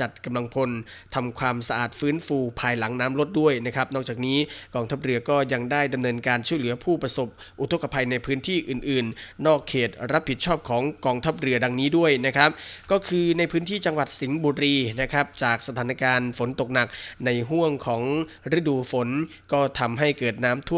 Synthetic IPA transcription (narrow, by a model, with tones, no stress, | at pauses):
t͡ɕa˨˩t̪̚ka˧mla˧ŋpʰo˧nt̪ʰa˧mkʰwaː˧msa˧ʔaː˨˩t̪̚fɯː˦˥nfuː˧pʰaː˧jla˩˦ŋnaː˦˥mlo˦˥t̪̚du˥˩əjna˦˥kʰɾa˦˥p̚nɔː˥˩k̚t͡ɕaː˨˩k̚niː˦˥kɔː˧ŋt̪ʰa˦˥p̚ɾɯ˧ɐkɔː˥˩ja˧ŋdaː˥˩jda˧mnɤː˧nkaː˧nt͡ɕʰu˥˩əjlɯ˩˦ɐpʰuː˥˩pɾa˧so˨˩p̚ | ʔu˨˩t̪ʰo˦˥kːa˧pʰa˧jna˧jpʰɯː˦˥nt̪ʰiː˥˩ʔɯː˨˩nʔɯː˨˩nnɔː˥˩kʰːeː˨˩t̪̚ɾa˦˥p̚ʰːi˨˩t̪̚t͡ɕʰɔː˥˩p̚kʰɔː˩˦ŋkɔː˧ŋt̪ʰa˦˥p̚ɾɯ˧ɐda˧ŋniː˦˥du˥˩əjna˦˥kʰɾa˦˥p̚kɔː˥˩kʰɯː˧na˧jpʰɯː˦˥nt̪ʰiː˥˩t͡ɕa˧ŋwa˨˩t̪̚si˩˦ŋbuː˧ɾiː˧na˦˥kʰɾa˦˥p̚t͡ɕaː˨˩k̚sa˧t̪ʰaː˩˦na˧kaː˧nfo˩˦nt̪o˨˩k̚na˨˩k̚na˧jɦu˥˩əŋkʰɔː˩˦ŋ | ɾe˦˥˩duː˧fo˩˦n | kɔː˥˩t̪ʰa˧mɦa˥˩jkɤː˨˩t̪̚naː˦˥mt̪ʰu˥˩